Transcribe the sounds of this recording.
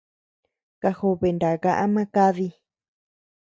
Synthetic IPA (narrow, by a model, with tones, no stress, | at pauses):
ka˧xo˧βe˨nd̪a˨ɣa˧ʔa˦mã˦ka˦ði˧